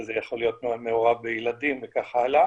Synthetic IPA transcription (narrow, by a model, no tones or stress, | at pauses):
zejaχo̞lijo̞t̪moameoʁabejelad̪imvekaχaala